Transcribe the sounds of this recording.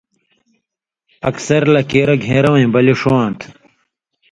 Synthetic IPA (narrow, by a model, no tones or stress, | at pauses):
ɐksɐɾlɐkeːɾɐɡʱeːɾɐwɐ̃ĩbɐliʂuãːnt̪ʰ